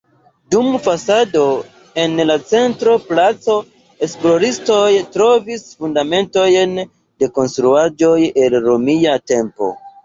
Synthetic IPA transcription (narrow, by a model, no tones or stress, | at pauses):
dumfasado̞ | e̞nlat͡se̞ntɾo̞plat͡so̞ | esplo̞ɾisto̞jtɾo̞visfundame̞nto̞jn | de̞ko̞nstɾuad͡ʒo̞je̞lɾo̞miate̞mpo̞̰